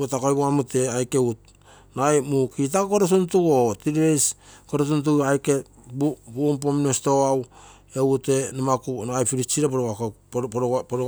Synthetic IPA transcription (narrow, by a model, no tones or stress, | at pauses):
otakojboamute̞ajkeut̚ | najmukit̬akokoɾos̬untuɡotiɾiɾejskoɾos̬unt̬uɡajke | bubump̬ominosto̞aw | e̞wute̞namakunaajpiɾit͡ʃiɾapoɾoakapɾpɾo